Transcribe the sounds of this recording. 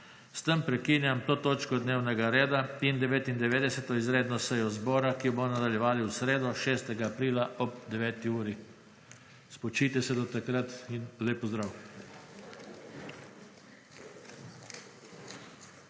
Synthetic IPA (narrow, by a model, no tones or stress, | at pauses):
st̪ɛmpɾɛkiːnjamt̪oːt̪oːt͡ʃkɔd̪neːwnɛɡaɾeːd̪aind̪ɛʋeːt̪ind̪ɛʋeːd̪ɛsɛt̪ɔizɾeːd̪nɔsɛjɔzbɔːɾakiɔbɔnad̪aljɛʋaːliwsɾeːd̪ɔʃeːst̪ɛɡaːpɾiːlaʔɔbd̪ɛʋɛːt̪iuːɾi | spɔt͡ʃiːt̪ɛsɛd̪ɔt̪akɾat̪inleːpɔzd̪ɾaw